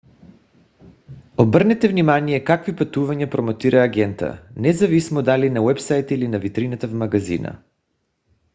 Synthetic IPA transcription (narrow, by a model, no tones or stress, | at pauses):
obrnɛt̪ɛvnimanijɛkakvipat̪uvaɲapɾomot̪iɾʔaːɡɛnt̪a̰nɛzavismod̪alinawɛpsajt̪ilinavit̪ɾinat̪avmaɡazḭna̰